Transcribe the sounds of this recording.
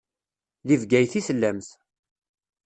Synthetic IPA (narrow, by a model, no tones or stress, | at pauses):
livɡæjθisəlːæmθ